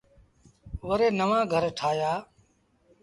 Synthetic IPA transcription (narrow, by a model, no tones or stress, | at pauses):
ʋəɾeːnəʋãːɡʱəɾʈʰaːjaː